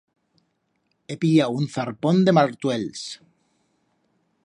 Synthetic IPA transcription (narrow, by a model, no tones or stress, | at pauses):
epiaunθaɾpond̪emaɾt̪wels